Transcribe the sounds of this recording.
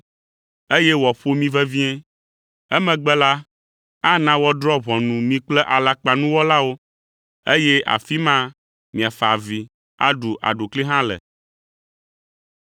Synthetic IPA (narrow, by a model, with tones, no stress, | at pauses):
e˦jɛ˦wɔ˨ɸo˦mĩ˦vɛ˦vĩ˦ɛ̃˦ | ɛ˦mɛ̃˨ɡ͡bɛ˦la˦ | a˦nã˦wɔ˦d̪ɾɔ˦βɔ̃˨nũ˨mĩ˦k͡plɛ˦ʔa˨la˨k͡pa˨nũ˦wɔ˦la˦wo˦ | e˦jɛ˦ʔa̰˨fi˦mã˦ | mĩ˨a˨fa˨vi˨ | a̰˦ɖu˨ʔa̰˨ɖo˨kli˦ɦã˦lɛ̰˨